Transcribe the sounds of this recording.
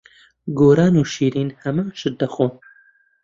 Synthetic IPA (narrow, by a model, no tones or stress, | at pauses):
ɡoːɾaːnuːʃiːɾiːnhɛmaːnʃɨt̪̚d̪ɐxoː